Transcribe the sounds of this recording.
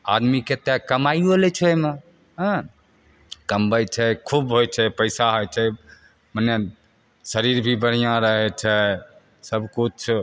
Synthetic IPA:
a̰d̪miket̪ɛkəmajuolɛt͡ʃʰeme | ɦ | kəmbəjt͡ʃʰɛkʰubɦojt͡ʃʰɛpəɪsaɦojt͡ʃʰɛ | mənje | səɾiɾbʱibəɽ̤ijãɾəɦɛt͡ʃʰɛ | səbkut͡ʃʰ

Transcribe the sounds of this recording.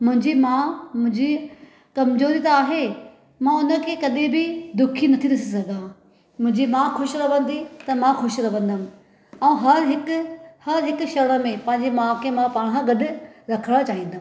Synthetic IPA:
mʊ̃ɦɪ̃ɲd͡ʑimãmʊ̃ɦɪ̃ɲd͡ʑi | kɐmzoːɾit̪ɐaːɦe | mãʊnə̆kʰeːkɐɗẽbɪd̪ʊkʰinɐt̪ʰiɾɪsisɐɡ̪ã | mʊ̃ɦɪ̃ɲd͡ʑimãːxʊʃɾɐʋə̃nd̪it̪ɐmãxʊʃɾɐʋə̃nd̪əm̆ | ɛ̃ũɦɐɾɦɪkhɐɾɦɪkʃɐɽ̃əmẽpɐ̃ɦɪ̃ɲd͡ʑemãːkʰemãpaːɽ̃ãɡɐɗʊ̆ɾɐkʰəɽ̃at͡ɕaːɦĩːnd̪ʱə

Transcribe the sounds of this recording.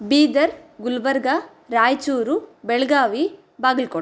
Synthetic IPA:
biːd̪ɐɾɡulʋɐɾɡa | ɾaːjt͡ʃuːɾubɛɭɡaːʋi | baːɡilko

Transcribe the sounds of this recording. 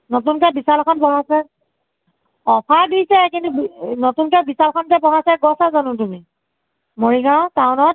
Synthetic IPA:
notunkɛbisalkʰɔnpɔɦasɛ | ɔpʰadijsɛkintubnotunkɛbisalkʰɔnkɛpɔɦasɛɡɔsazɔnʊt̬umi | moɹiɡaʊ̃tawnɔt̚

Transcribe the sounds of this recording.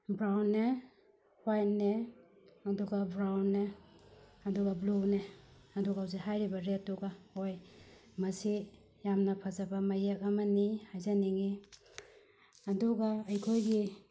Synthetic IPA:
bɾawnːe | hwajnːe | ɐduɡabɾawnːe | ɐduɡabluneɐduɡawzeɦajɾibɐɾetːuɡahojmɐsi | jamnɐpʰazabɐmajek̚ɐmanihajzaniŋi | ɐduɡaːjkʰojɡi

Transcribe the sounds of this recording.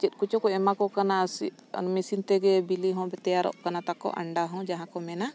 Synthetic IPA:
t͡ʃit̪̚ˀkut͡ʃɔkɔɛmakɔkanasi | misint̪ɛɡɛbiliɦɔ̃bɛt̪ɛjaɾɔ̰ʔkanat̪akɔ̰ʔa̰ɳɖaɦɔ̃d͡ʒaɦãkɔmɛna

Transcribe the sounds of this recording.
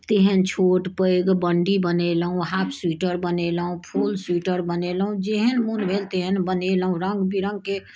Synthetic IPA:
t̪eɦənt͡ʃʰoːʈpəjɡbəɳɖibənelɦũɦaːpʰsuʈəɾbənelɦũpʰuːlsuːʈəɾbənelɦũd͡ʒeɦənmunbʱeːlt̪eɦənbənelɦũɾə̃ŋɡbiɾə̃ŋɡke

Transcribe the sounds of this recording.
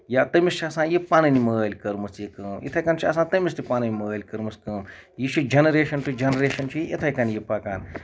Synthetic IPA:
jaːt̪ɐmist͡ʃʰiɐsãːjipaːnɐnimɐːlʲkɐɾmɨsjikəːmʔḭt̪ʰɐjkɐnt͡ʃʰiɐsãːt̪ɐmist̪ipaːnɐnimɐəːlʲkɐɾmɨskɐːmjit͡ʃʰid͡ʒɐnɐɾeːʃɐnʈud͡ʒɐnɐɾeːʃɐnt͡ʃʰiʔit̪ʰajkɐnjipaːkaːn

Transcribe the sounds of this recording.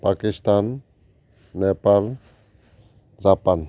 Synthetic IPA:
pakist̪anː | ɛpal | d͡ʒapan

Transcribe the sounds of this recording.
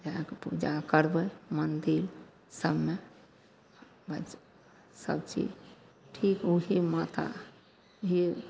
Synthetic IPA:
d͡ʒakepṵd͡ʒakəɾbəmənd̪iɾ | səbme | bə | sə̰bt͡ʃḭd͡ʒ | ʈʰikuɦimat̪ʰa̰ | ɦi

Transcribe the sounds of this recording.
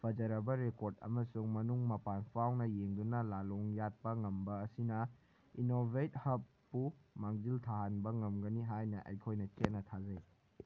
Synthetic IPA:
pʰɐd͡ʒɐɾɐbɐɾekoɾdɐ̰mɐsuŋmɐnuŋmɐpanpʰawnɐjeŋdunɐlaloŋjat̚pɐŋɐmbɐːsinɐ | inobʱet̚hɐpːumaŋziltʰaɦanbɐŋɐmɡɐniɦajnɐʔɐ̰jkʰojnɐt͡ʃet̚nːɐtʰazɐj

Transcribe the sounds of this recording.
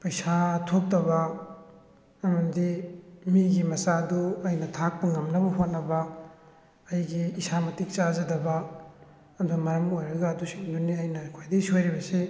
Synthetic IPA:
pɐjsatʰop̚tɐbɐ | ɐmɐndimiɡimɐsaduɐjnɐtʰak̚pɐŋɐmnɐbɐɦot̚nɐbɐː | jɡiːsamɐtik̚t͡ʃazɐdɐbɐː | duɐmajamojɾɐɡɐːdusinduniɐjnɐkʰojdisojɾibɐse

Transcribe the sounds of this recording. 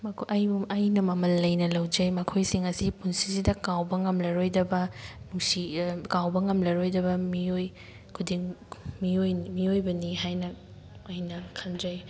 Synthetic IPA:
mɐkʰʔɐjbumɐjnɐmɐmɐlːɐjnɐlɐwd͡ʒɐjmɐkʰojsiŋɐsipunsizidɐkawbɐŋɐmlɐɾojdɐbɐnuŋsikawbɐŋɐmlɐɾojdɐbɐmioj | kʰudiŋmiojmiojbɐniɦajnɐ | ɐjnɐkʰɐnd͡ʒɐj

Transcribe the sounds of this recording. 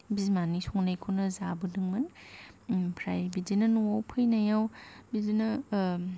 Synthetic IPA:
bizmanisʰɔŋnajkʰɯnɐzabɯdɯŋmɯn | pʰɾajbidinɐnuawpʰɯjnajawbizinɐ

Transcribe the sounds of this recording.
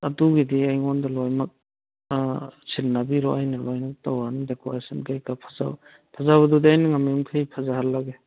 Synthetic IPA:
atuɡidiajŋɔndalɔjmak̚ | sʰilnabiɾɔʔajnalɔjnak̚tawandekoɾesinkajkapʰḁza̰w | pʰazawɐdudiajniŋamjuŋkʰɯjpʰazahalːaɡe

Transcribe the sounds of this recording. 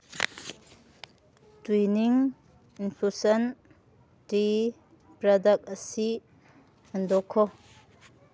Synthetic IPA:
twiniŋ | inpʰusɐn | ti | pɾɐdɐk̚ɐsi | ɐndɔkʰːɔ

